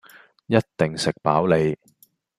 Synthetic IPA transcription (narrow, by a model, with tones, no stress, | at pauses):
jɐ˥t̚t̪ɪ˨˩ŋsɪ˨k̚pa̰ː˨˥wle˨˧j